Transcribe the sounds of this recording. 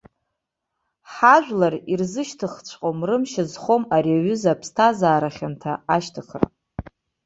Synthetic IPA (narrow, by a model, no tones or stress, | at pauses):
ħaʒʷᶣlarirzɨʃtʰɨχt͡ɕʷʰqʼomrɨmʃazχo̞maɾiaɥʏzapʰstʰazaːɾaχʲantʰaaʃtʰaχʰa̰r